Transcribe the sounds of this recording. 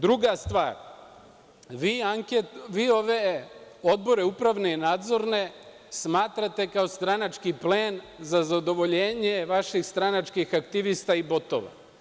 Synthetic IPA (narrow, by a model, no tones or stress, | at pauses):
d̪ɾuɡast̪ʋaːɾ | ʋiaŋkeʋiːo̞ʋe | o̞d̪̚bo̞ɾe̞upɾaʋne̞inaːd̪zo̞ɾne̞ | smaːt̪ɾat̪e̞kao̞st̪ɾanat͡ʃkipleːn | zazad̪o̞ʋo̞ʎeːɲeʋaʃixst̪ɾanat͡ʃkixakt̪iʋist̪aibo̞t̪o̰ʋa̰